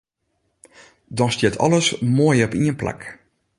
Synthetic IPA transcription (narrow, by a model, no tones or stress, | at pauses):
dɔnstjɛtʰɔ̰ləsmoːjɔpiənpla̰k